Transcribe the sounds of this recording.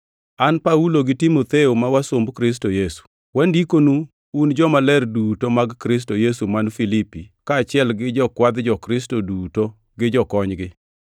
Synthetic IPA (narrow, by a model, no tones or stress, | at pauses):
anpauloɡɪtimot̪eomawasombkɾɪs̬tojesu̥ | wandikonuː | nd͡ʒɔmalɛrdutomaɡkɾɪs̬tojesumanfilipikaːt͡ʃɪɛlɡɪd͡ʒɔkwad̪d͡ʒɔkɾɪs̬toduto | ɡɪd͡ʒɔkɔɲɡɪ